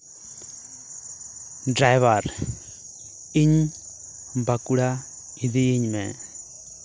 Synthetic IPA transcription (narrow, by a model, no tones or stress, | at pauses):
ɖɾajʋaɾ | iɲ | bakuɽa | id̪iiɲmɛ̰̃